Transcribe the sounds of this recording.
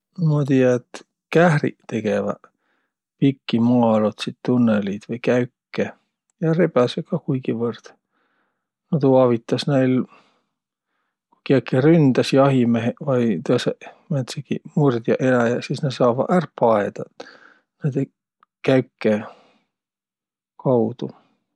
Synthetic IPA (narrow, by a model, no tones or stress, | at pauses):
mɑt̪ijɑet̪ | kæhrḭt̪e̞ɡ̥evɑ̰ | pikːimːlot̪sit̪t̪unːelid̪̥vɤjkæɥkːe | jɑrebɑsekɑkujɡ̥ivɤrd̪̥ | not̪uɑvit̪ˑːɑsnejl | kukiɑkːˑerynd̪̥ɑsjɑɦimeɦevɑjt̪uɑsemæt̪sekimurd̪̥jɑʔelæjɑsisned̪sɑːvɑ̰ærpːɑed̪̥ɑ | ned̪e | kæɥkːe | kɑwd̪̥u